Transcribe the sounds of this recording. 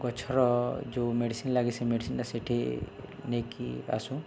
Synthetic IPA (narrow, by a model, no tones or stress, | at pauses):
ɡɔt͡ʃʰɔɾɔd͡ʒomeɖisinlaɡisemeɖisinʈaseʈʰinekia̰sũ